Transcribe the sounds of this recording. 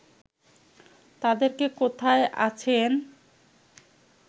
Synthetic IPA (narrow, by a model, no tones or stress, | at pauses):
t̪ad̪eɾkekot̪ʰaeʔa̰t͡ɕʰen